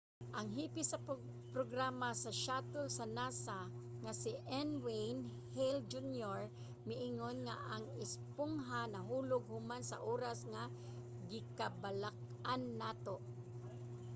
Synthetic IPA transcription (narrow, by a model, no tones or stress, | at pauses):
ʔaŋɦiːpɪsɐ | pɾoɡɾamasɐʃat̪ʊlsanaːsaŋasɪʔɛnwejn | held͡ʒunjoɹ | mɪʔɪŋonŋaʔaŋɪspʊŋɦanɐɦuːlʊɡ̚hʊmansa̰ʔoːɾasŋa | ɡɪkabalak̚ʔanːaːt̪oʔ